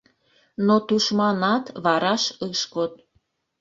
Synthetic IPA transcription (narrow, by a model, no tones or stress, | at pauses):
not̪uʃmɑnɑt̪βɑɾɑʃəʃkot̪̚